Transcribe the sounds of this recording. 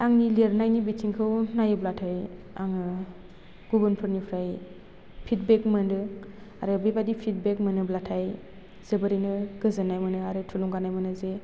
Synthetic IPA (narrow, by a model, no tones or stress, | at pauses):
aŋniliɾnajnibitʰiŋkʰɯwnajɯblatʰaj | aŋɯ | ɡ̥ubɯnpʰɯɾnipʰɾaj | pʰit̚bek̚mɯndɯ | aɾɯbebadipʰit̚bek̚mɯnɯblatʰaj | z̥ɯbɯɾinɯɡɯzɯnajmɯnɯaɾɯtʰuluŋɡanajmɯnɯze